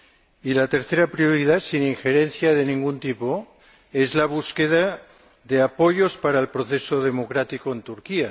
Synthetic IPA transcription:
ilat̪eɾθeɾapɾioɾiðasiniŋxeɾenθjað̞enĩŋɡunt̪ipo | ezlaβ̞uskeð̞a | ðeapojospaɾaelpɾoθesoð̞emokɾat̪ikoent̪uɾkia

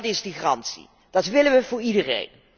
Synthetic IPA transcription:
tɪsdəχrɑntsḭ | d̥ɑtʋɪləʋəvʊːɹidərḛjn

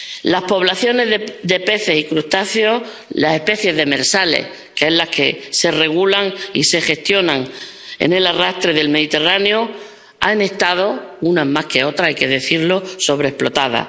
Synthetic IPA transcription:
lahpo̞βlaθjo̞ne̞zðd̪e̞pe̞θe̞sikɾuht̪aθjo̞ | lase̞hpe̞θje̞zðe̞me̞ɾsalḛh | keelake̞se̞re̞ɣ̞ulaŋḭse̞xe̞st̪jo̞nãŋ | ḛne̞larast̪ɾe̞ðe̞lme̞ðit̪e̞raneo | ane̞ht̪að̞o̞unamahke̞o̞t̪ɾaajke̞ðe̞θiɾlo̞so̞βɾehplo̞t̪aða̰

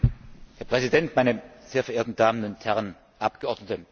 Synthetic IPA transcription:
heːɐpʁ̥ɛzidɛntmaɪnəz̥eːɐfɛɐʔeːɐtn̩daːmənʊnthɛʁən | ʔap̚ɡ̥əɔɐdnətə

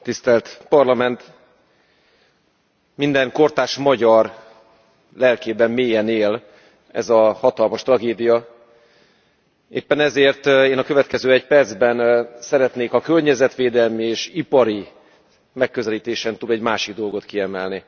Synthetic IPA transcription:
t̪ist̪ɛlt̪pɒrlɒmɛnt̪ | mind̪ɛŋko̞rt̪aːʃmɒɟɒr | lɛlkeːbɛmːeːjɛneːl | ɛ̰zɒhɒt̪ɒlmɒʃt̪rɒɡeːd̪ijɒ | ḛːpːɛnɛzeːrt̪eːnɒkø̞vɛt̪kɛzøːɛcpɛrd̪zbɛnsɛɾɛt̪neːkɒkørɲɛzɛt̪ʋeːd̪ɛlmieːʃipɒɾi | mɛkːø̞zɛliːt̪eːʃɛnt̪ud̪ɛɟmaːʃiɡ̚d̪o̞lɡo̞t̪kiɛmɛlni

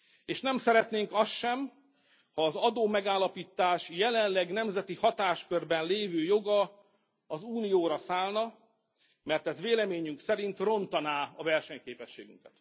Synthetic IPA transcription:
eːʃnɛmsɛɾɛt̪neːŋkɒst̪ʃɛm | hɒːzɒd̪oːmɛɡaːlːɒpiːt̪ːaːʃjɛlɛnlɛɡn̪ɛmzɛt̪ihɒt̪aːʃkørbɛnleːvøːjo̞ɡɒː | zuːnijoːɾɒsaːlnɒ | mɛrt̪ɛzveːlɛmeːɲyŋksɛɾint̪ro̞nt̪ɒnaːɒvɛrʃɛɲkeːpɛʃːḛːɡy̰ŋkɛt̪

